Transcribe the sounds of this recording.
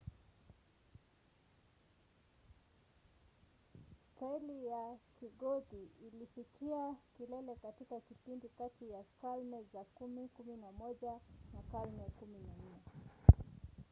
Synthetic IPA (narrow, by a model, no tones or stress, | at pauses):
stailijakiɠɔtiːlifikiakilɛlɛkatikakipindikatijakalmɛzakumikuminamɔʄanakalmɛkuminan̩ɛ